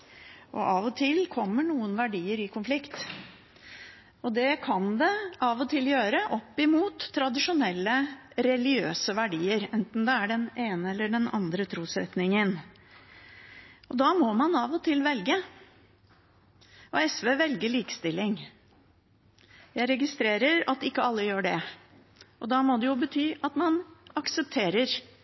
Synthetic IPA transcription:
ʔɔ̰ʔɑʋɔt̪ʰɪlkʰɔmːəɳuːənʋæɖiːəɾɪkʰʊnflɪkt̪ | ɔd̪ɛkʰɑnd̪ɛɑʋɔt̪ʰɪljøːɾəʔɔpːɪmuːt̪ʰːɾɑd̪ɪʂʊnɛlːəɾɛlɪɪøːsəʋæɖiːəɾɛnt̪n̩d̪ɛæɖɛneːnəɛlːəɖɛnɑ̰nd̪ɾət̪ʰɾuːsɾɛ̰t̪nɪŋən | ʔɔd̪ɑːmɔmɑnɑʋɔt̪ʰɪlʋɛlɡə | ʔɔɛsʋeːʋɛlɡəɭiːkə̥st̪ɪlːɪŋ | jæɪɾɛɡɪst̪ɾeːɾəɾɑt̪ɪkːəɑlːəjøːɖɛ | ʔɔd̪ɑːmod̪ɛjʊbət̪ʰyːʔɑt̪mɑnɑksəp̚t̪ʰeːɾəɾ

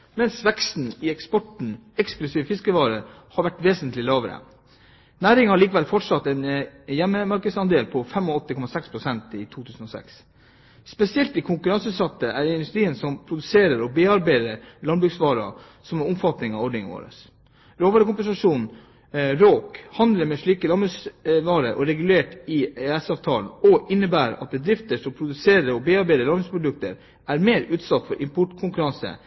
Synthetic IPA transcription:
mɛnsʋɛkst̪n̩ɪɛkspɔʈɳ̩ɛksklʉsiːʋəfɪskəʋɑːɾə | hɑɾʋæʈʋeːsənt̪lɪlɑːʋəɾə̰ | næːɾɪŋəhɑɭiːkəʋɛlfɔʈʂɑt̪ːɛnjɛmːəmɑɾkəd̪sɑnd̪eːlpʰɔfɛmɔɔt̪ːəkʰɔmɑsɛkspʰɾʊsɛnt̪ɪt̪ʰuːt̪ʰʉːsən̩ɔsɛ̰ks | spɛsɪɛlt̪ɪkʰʊŋkʉɾɑnsʉːsɑt̪ːəʔæɾɪnd̪ʉst̪ɾiːənsɔmpʰɾʊd̪ʉseːɾəɾɔbeːɑɾbæɪd̪əɾlɑnbɾʉːksʋɑːɾɑ̰ | sɔmɛnʊmfɑt̪nɪŋɑʋɔɖɳɪŋo̰ːɾə̰s | ɾoːʋɑːɾəkʊmpəɛnsɑʂuːn | ɾoːkhɑnd̪ləɾmɛʂɭiːkəlɑnbɾʉsʋɑːɾəɾʔɔɾɛɡʉleːʈɪeɛsɑːʋt̪ʰɑːlnɔʔɪnːəbæːɾɑ̰t̪̚bəd̪ɾɪft̪əʂɔmpʰɾʊd̪ʉseːɾəɾɔbeːɑɾbæɪəlɑnbɾʉkspʰɾʊd̪ʉk̚t̪əɾ | æɾmeːɾʉːt̪sɑt̪ːfɔɾʔɪmpʰʊʈːkʰʊŋkʉɾɑnsə̰

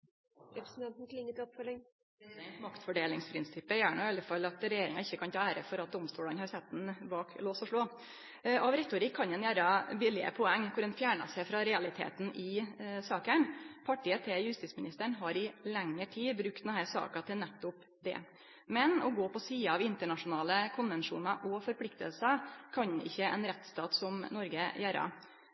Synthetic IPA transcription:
ɾɛpɾəsn̩t̪ɑnt̪n̩kʰlɪŋːət̪ɔpfɔlɛŋ | ɛɛnt̪mɑkt̪fɔɖeːlɪŋspʰɾɪnsɪpːəjæːɳɑɪɑlːəfɑlɑt̪ɾɛjeːɾɪŋɑɪçːəkʰɑnt̪ɑːæːɾəfɔɾɑt̪̚d̪ɔmst̪uːlɑnhɑɾsɛt̪̚d̪n̩bɑːkloːsɔʂɭoː | ɔʋɾɛt̪ʊɾɪkʰːɑnɛnjæːɾɑbɪlɪə̰pʰɔɛŋːkʰʊɾɛnfjæːɳɑ̰sæɪfɾɑɾɛɑlɪt̪ʰḛːt̪n̩ɪsɑːkəɳpʰɑʈiːət̪ʰejʉst̪ɪːtsmɪnɪst̪əɳɦɑɾɪlɛŋːəʈʰiːbɾʉk̚t̪ɛnɦæːsɑ̰ːkɑt̪ʰɪlnæt̪ːʊp | d̪ɛ̰ | mɛnɔɡoːpɔsiːɑɑʋɪnt̪əɳɑʂʊnɑːləkʰʊnʋɛnʂṵːnɑʔɔfɔɾpʰlɪkt̪əlsəkʰɑɲɪ̰çːəɛ̰nɾɛt̪ːst̪ɑːt̪sɔmnɔɾɡəjæːɾɑ̰

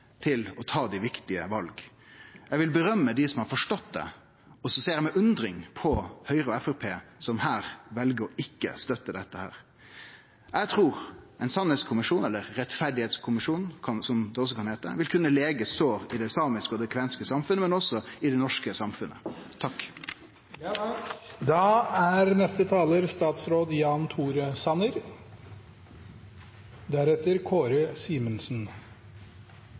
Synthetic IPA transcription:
t̪ʰɪlɔt̪ʰɑːd̪ɪʋɪkt̪ɪəʋɑlɡ | jɛʋɪlbəɾœmːəd̪ɪsɔmhɑɾfɔʂʈɔt̪d̪ɛ̰ | ɔsɔseːɾəmɛʔʉnd̪ɾɪŋpʰɔhœʏɾəɔɛfæɾpʰeːsɔmhæːɾʋɛlɡəɾɔʔɪkːə̰st̪œt̪ːəd̪ɛt̪ːəhæ̰ːɾ | jɛt̪ʰɾuːɾʔɛɪnsɑnhɛt̪skʰʊmɪʂuːnɛlːəɾːɛt̪fæɖɪheːt̪skʰʊmɪʂuːnn̩kʰɑnsɔmd̪ɛɔs̬ːɔkɑnheːt̪ə̰ʋɪlkʰʉnːəleːɡəst̪oːʁɪd̪ɛsɑːmɪskəɔd̪ɛkʰʋɛnskəsɑmfʉnəmɛnɔsɔɪd̪ɛnɔʂkəsɑmfʉnːə̰t̪ʰɑkː | d̪ɑæɾnɛst̪ət̪ʰɑːləɾst̪ɑːt̪sɾoːd̪jɑːnt̪ʰuːɾəsɑnəɾ | d̪æɾɛt̪əɾkʰoːɾəsiːmənsn̩

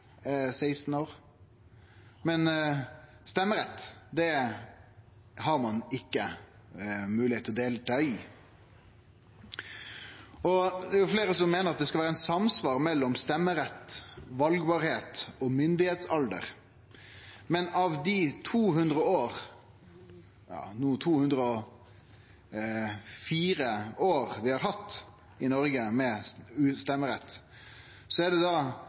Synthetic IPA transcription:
seɪst̪n̩oːɾ | mɛn | st̪ɛmːəɾɛt̪ːd̪ɛ | hɑɾmɑnɪkːə | mʉːlɪhet̪ʰːɔd̪eːlət̪œʏ | ɔd̪ɛæɾjʊfleːɾəsɔmːeːnəɾɑt̪d̪ɛskɑlʋæːɾænsɑmsʋɑːɾmɛlːɔmst̪ɛmːəɾɛt̪ːʋɑlɡbɑːɾheːt̪ɔmʏnd̪ɪheːt̪sɑld̪ə̰ɾ | mɛnɑʋd̪it̪ʰuːhʉnd̪ɾəoːʁ | jɑ̰ːnuːt̪ʰuːhʉnd̪ɾəɔ | fiːɾəoːɾʋɪhɑːɾɦɑt̪ː | ɪnɔɾɡəmɛʉst̪ɛmːəɾɛt̪ː | sɔæd̪ɛd̪ɑ

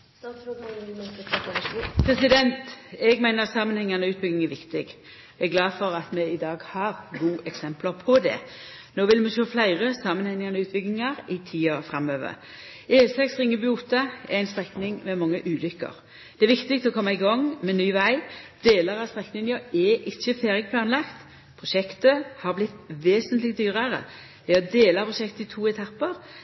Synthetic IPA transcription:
pʰɾɛsɪd̪ɛnt̪ɛɡmæɪnəɾɑt̪sɑmənhɛŋːənəʉːt̪̚bʏɡnɪŋæʋɪkt̪ɪɡ | ɛɡlɑːd̪fɔɾɑt̪mɛɪd̪ɑːɡhɑːʁɡuːʔɛksɛmpləʁpʰɔd̪ɛ̰ | noːʋɪlmɛʃøːflæɪʁəsɑːmːənhɛŋənəʉːt̪̚bʏɡnɪŋɑɾɪt̪ʰiːɑfʁɑmːøːʋə̰ɾ | eːsɛksʁɪŋːəbʏuːt̪ɑɛɾæɪnst̪ʁɛknɪŋmɛmɑŋːəʔʉːlʏkːə̰ʁ | d̪̥ɛæɾʋɪkt̪ɪɡt̪ɔkʰɔmːɑɪɡɔŋmɛnyːʋæɪd̪̥eːləʁɑst̪ʁɛknɪŋəɛʔɪçːəfeːʁjəpʰlɑːnlɑkt̪ | pʰʁʊʃɛkt̪əhɑʁblɪt̪ʋeːsənt̪lɪk̚d̪yːʁəɾə̰ | d̪ɛɔd̪eːlɑpʰʁʊʃɛkt̪əɪt̪ʰuːɛt̪ʰɑpːəʁ

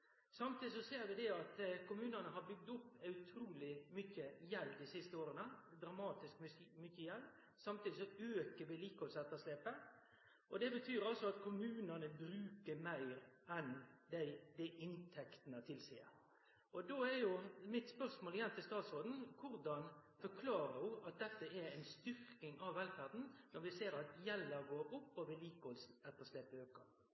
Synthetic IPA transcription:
sɑmt̪ʰiːd̪ɪsɔseːɾʋɪd̪ɛɑt̪kʰʊmʉːnənəɦɑɾbʏɡ̚d̪ʊpːɑʉt̪ʰɾuːlɪmʏçəjɛlːd̪ɪsɪst̪əoːɾənəd̪ɾɑmɑːt̪ɪskmʏçːəjɛl | sɑmt̪iːd̪ɪsɔøːkəʋɪliːkɑɔsɛt̪ːɑsleːpə | ʔɔd̪ɛbət̪ʰyːɾɑlsɔɑt̪kʰʊmʉːnənəbɾʉːkəɾmæɪɾɛnd̪æɪd̪æʔɪnt̪ʰɛkt̪ənət̪ʰɪlsḭːə̰ɾ | ɔd̪oæɾjʊmɪt̪spœʁsmoːlɪjɛnːt̪ʰɪlst̪ɑːt̪sɾoːd̪n̩kʰʊɾd̪ɑnfɔkʰlɑːɾəʊɑt̪̚d̪ɛt̪ːəɛæɪnst̪ʏɾkɪŋɑʋːɛlfæʁd̪n̩nɔɾʋɪseːɾɑt̪jɛlːəɡoːʔʊpːɔʋɪliːkɔlsɛt̪ːəʂleːpəøːkə

